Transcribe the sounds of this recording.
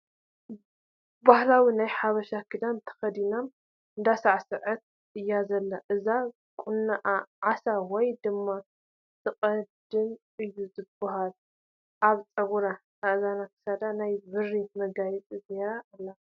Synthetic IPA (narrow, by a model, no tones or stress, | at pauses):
bahlawinajħaβɐʃakʰɨd̪amt̪ʰɐ̥xɐd̪inam | ɨnd̪asaʕsɨʕɨt̪̚ | ʔɨjːazɐlːaʔɨza | kʼunːaʔaʕasawɔjd̪ɨmːa | tʰɨqʼɐd̪ɨnʔɨjːuzɨbaɦal | ʔaβt͡sʼɐɡuɾa | aʔzanakʰɨ̥sad̪anajβɨrimɐɡajɛt͡sʼizeɾaʔlːa